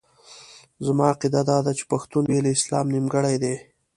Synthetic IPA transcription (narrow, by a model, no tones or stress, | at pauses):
zamɑaqid̪ad̪ɑd̪at͡ʃe̥paxt̪unbeleɪslɑ̰mnimɡəɽajd̪e